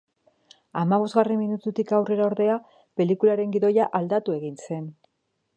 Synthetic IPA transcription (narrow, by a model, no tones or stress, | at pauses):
amaβ̞o̞zɣaremːinut̪ut̪ikawre̞ɾaoɾðe̞a | pe̞likulaɾe̞ŋɡiðo̞jaʔald̪at̪ue̞ɣinse̞n